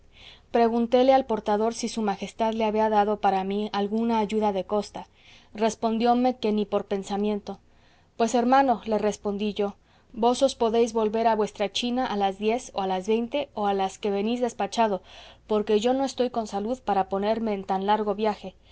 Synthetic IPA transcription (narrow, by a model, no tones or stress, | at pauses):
pɾe̞ɣunt̪e̞le̞alpo̞ɾt̪aðo̞ɾsisumaxe̞st̪aðle̞aβiaðaðo̞paɾamialɣunaːʝuðaðe̞ko̞st̪a | re̞spo̞nd̪jo̞me̞ke̞nipo̞ɾpe̞nsamjẽ̞nt̪o̞ | pwe̞se̞ɾmãno̞le̞re̞spo̞nd̪iʝo̞ | bo̞so̞spo̞ðe̞jzβo̞lβe̞ɾaβwe̞st̪ɾat͡ʃinaʔalazðje̞soalazβe̞jnt̪e̞o̞alaske̞βe̞nizðe̞spat͡ʃaðo̞po̞ɾke̞ʝo̞no̞e̞st̪o̞jko̞nsaluðpaɾapo̞ne̞ɾme̞ːnt̪anlaɾɣo̞βjaxe̞